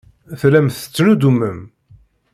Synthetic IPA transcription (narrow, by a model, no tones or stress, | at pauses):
θlæmθə̥t͡sːnud̪umːəm